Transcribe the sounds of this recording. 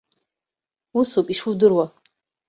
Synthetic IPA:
usukʼiʂudɨrwa

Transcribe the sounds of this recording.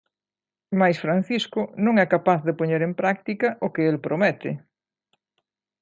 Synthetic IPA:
majsfɾan̟θiskʊnõŋɛkapaθðɪpoɲeɾempɾak̚t̪ikɐʔʊkɪelpɾomɛt̪ɪ

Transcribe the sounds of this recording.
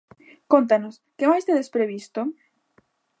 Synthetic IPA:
kont̪anoskemajst̪eðespɾeβist̪o

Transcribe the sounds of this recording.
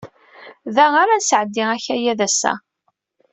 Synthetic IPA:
ðæaɾansʕəd̪ːɪʁæçæjæðæsːæ̰

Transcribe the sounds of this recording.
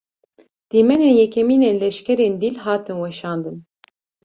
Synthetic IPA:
d̪̥iːmɛneːnjɛkʲʰɛmiːneːnlɛʃkʲɛɾeːnd̪ilɦaːt̪ʰɨnwɛʃɑːnd̪ɨn

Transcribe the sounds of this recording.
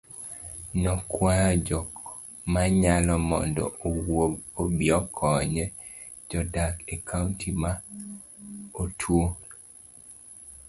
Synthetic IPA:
nɔkwad͡ʒɔk | maɲalɔmɔ̰ndɔ̰owoɡobiɔkʰɔɲɛ | d͡ʒɔdakekʰauntʰima | otʰwo

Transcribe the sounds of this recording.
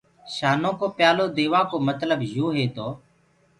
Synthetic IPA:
ʃaːnõːkoːpjaːloːd̪eːʋaːkoːmət̪ləbjuːɦeːt̪oː

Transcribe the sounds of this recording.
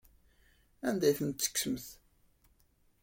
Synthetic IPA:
ænd̪æjθənt̪sə̥ksəməθ

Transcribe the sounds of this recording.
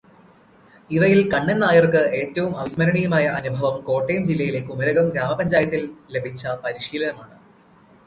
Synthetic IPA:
iʋɐjilkɐɳːenːaːjɐrkɨe̞ːtːɐʋumɐʋismɐɾɐɳijumaːjɐʔɐnubʱɐʋɐmko̞ːʈːejɐmd͡ʑilːɐjile̞kːumɐɾɐɣɐmɡɾaːmɐpɐɲd͡ʑaːjɐt̪ːille̞bʱit͡ɕːɐpɐɾiʂiːlɐnɐmaːɳɨ

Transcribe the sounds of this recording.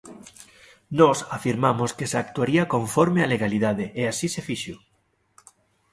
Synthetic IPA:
nɔsafiɾmamoskesakt̪uaɾiakoɱfɔɾmealeɣ̞aliðað̞eʔeasisefiʃʊ

